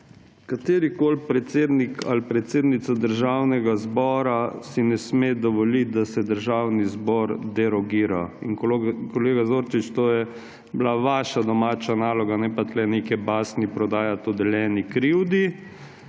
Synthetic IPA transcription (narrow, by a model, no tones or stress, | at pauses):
kat̪eːɾikoːlpɾɛt̪seːd̪nikalpɾɛt̪seːd̪nit̪sad̪əɾʒawnɛɡazbɔːɾasinɛsmed̪ɔʋɔlit̪̚d̪asɛd̪əɾʒaːwnizbɔɾd̪ɛɾɔɡiːɾainkɔleːɡazoːɾt͡ʃit͡ʃt̪oːjɛ | blaʋaːʃad̪ɔmaːt͡ʃanaːlɔɡanɛpat̪lɛnekɛbaːsnipɾɔd̪aːjat̪ɔd̪ɛljɛːnikɾiwd̪i